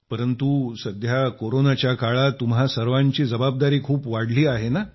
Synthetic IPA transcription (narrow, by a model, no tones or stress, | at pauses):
pəɾənt̪usəd̪ʱjakoɾonat͡ɕjakaɭat̪umɦasəɾʋaɲt͡ɕiːd͡zəbab̚d̪aɾiːkʰuːpʋaɽliːaɦena